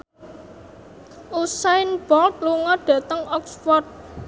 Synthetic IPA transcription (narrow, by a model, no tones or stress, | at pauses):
usaɪnb̥ɔlt̪̚luŋɔɖ̥ä̤t̪əŋɔksfɔrt̪̚